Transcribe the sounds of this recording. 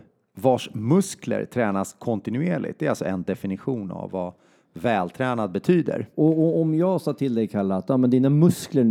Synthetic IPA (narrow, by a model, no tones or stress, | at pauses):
vaʂmɵsklə̰ɾt̪ʰɾɛːnaskʰɔnt̪ɪnɵeːɭɪ̰t̪̚d̪ɛɾalsɔ̰ɛnd̪ɛfɪnɪɧuːna̰vːa | vɛːlt̪ʰɾɛːnad̪̚bɛt̪ʰyːd̪ə̰ɾɔɔɔmjɑːɡsɑːt̪ʰɪld̪ɛjkʰaɭːat̪jɑːmɛnd̪iːnamɵsklə